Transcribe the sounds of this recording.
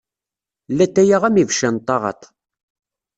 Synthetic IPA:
læt̪ːæjaʁæmivʃænt̪ˤːɑʁɑ̰t̪ˤ

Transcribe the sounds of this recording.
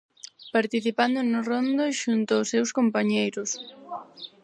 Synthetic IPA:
paɾt̪iθipand̪ʊnʊrond̪oʃunt̪aʊsːewskompaɲejɾʊs

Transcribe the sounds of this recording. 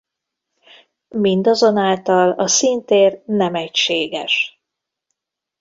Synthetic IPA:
mind̪ɒzo̞naːlt̪ɒlɒsint̪eːrnɛmɛcʃeːɡɛʃ

